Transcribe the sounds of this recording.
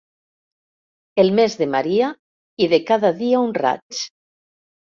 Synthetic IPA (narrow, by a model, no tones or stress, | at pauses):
elˠmezðemaɾia | iðekaðaðiaunra̰t͡ʃ